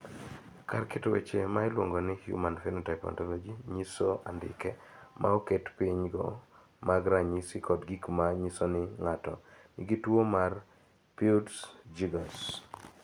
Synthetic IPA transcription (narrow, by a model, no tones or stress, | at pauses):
karkɪtowet͡ʃemaɪlwoŋɡɔnɪhjṵmanfɛnotajpɔ̰ntɔlod͡ʒiɲisoʔandɪ̰kɛmʔa̰oketpiɲɡɔ̰ | maɡɾaɲisɪkɔdɡikmaɲisonɪŋatɔ̰nɪɡitwomar | pildsd͡ʒiɡas